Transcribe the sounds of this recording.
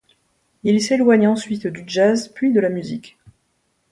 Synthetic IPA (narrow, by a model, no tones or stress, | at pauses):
ilselwaɲɑ̃sɥit̪d̪yʒazpɥid̪əlamyzik